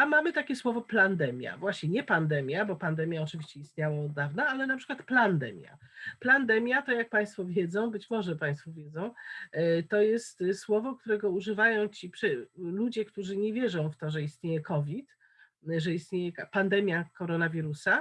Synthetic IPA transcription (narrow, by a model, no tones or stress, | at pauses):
amamɘt̪akʲɛswɔvɔpland̪ɛmʲja̰vwaɕɲɛɲɛpand̪ɛmʲjabɔpand̪ɛmʲjaɔt͡ʂɨvʲiɕt͡ɕɛist̪ɲawaɔd̪ːavnaalɛnapʂɘ̥kwat̪pland̪ɛmʲja̰pland̪ɛmʲjat̪ɔjak̚paj̃st̪fɔvʲjɛd̪zɔ̃w̃bɘt͡ɕmɔʐɛpaj̃st̪fɔvʲjɛd̪zɔ̃w̃ | t̪ɔjɛst̪swɔvɔk̚t̪uɾɛɡɔuʐɘvajɔ̃w̃t͡ɕipʂɛlud͡ʑɛkt̪uʐɘɲɛvʲjɛʐɔ̃w̃ft̪ɔʐɛist̪ɲejɛkɔvʲit̪ | ʐɛist̪ɲejɛpand̪ɛmʲjakɔɾɔnavʲiɾusa